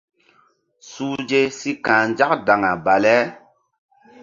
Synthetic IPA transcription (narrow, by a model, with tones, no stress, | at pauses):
suː˦d͡ʒe˦si˦kãː˨n˦d͡ʒa˦k̚da˨ŋa˨ba˨lɛ˨˦